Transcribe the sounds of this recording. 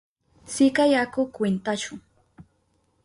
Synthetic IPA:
sɪkajakʊkwɪnt̪aʃʊŋ

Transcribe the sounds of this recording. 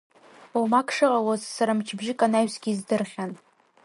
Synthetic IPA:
omakʰʂɨqʼawozsaɾamt͡ʃʰbʒɪkʼanaɥsɡʲizdɨrχʲan

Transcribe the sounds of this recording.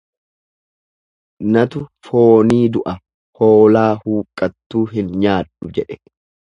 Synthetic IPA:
nɐt̪ʊfoːniːd̪ʊʔɐ | hoːlaːhuːkʼːɐt̪ːuːɦɪnɲaːᶑʊd͡ʒɛᶑɛ

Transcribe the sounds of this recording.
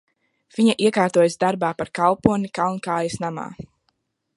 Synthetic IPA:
v̥iɲaʔiɛkaːɾt̪uɔjasd̪aɾbaːpaɾkalˠpuɔnikalˠnkaːjɐsnama̰ː

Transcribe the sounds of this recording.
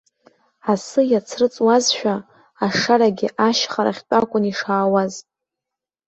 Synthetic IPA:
asɨjat͡sʰrɨt͡sʼwazʃᶣaː | ʂaɾaɡʲɪʔaʃχaɾa̰χʲt͡pʷʼakʷʼʊniʂaːwaz

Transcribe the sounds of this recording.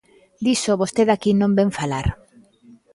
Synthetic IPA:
d̪isoβost̪eðakinõmbeɱfalaɾ

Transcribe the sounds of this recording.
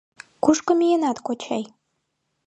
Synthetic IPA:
kuʃkə̆mijenɑt̪kot͡ɕɑj

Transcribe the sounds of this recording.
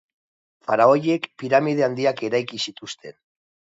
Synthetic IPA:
faɾao̞je̞kpiɾamið̞e̞and̪iake̞ɾajkisit̪ust̪e̞̰n

